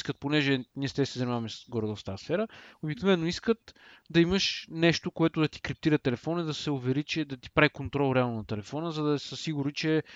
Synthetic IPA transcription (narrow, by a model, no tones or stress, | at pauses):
skət̪̚ponɛʒɛniɛst̪ɛsiɛzɐnʲimavɐmɛsɡɔɾd̪ɔft̪asfɛɾəobiknovɛnːoiskət̪d̪ɐiməʃnɛʃt̪okoɛt̪ʊd̪ɐt̪i̥kɾip̚t̪iɾət̪ɛlɛfɔnəd̪ɐsɛʊvɛɾit͡ʃɛd̪ɐt̪i̥pɾavikont̪ɾɔlˠɾɛalˠnonɐt̪ɛlɛfɔnəzɐd̪ɐsəsiɡʊɾnit͡ʃɛ